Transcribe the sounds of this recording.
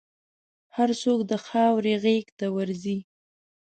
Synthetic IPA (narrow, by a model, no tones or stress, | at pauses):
haɾsokd̪əxɑwɾeɣekt̪awəɾzi